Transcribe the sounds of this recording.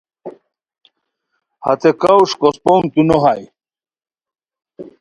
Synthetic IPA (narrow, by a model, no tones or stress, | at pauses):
hɐ̰t̪ekawʂkospoŋt̪unoɦaj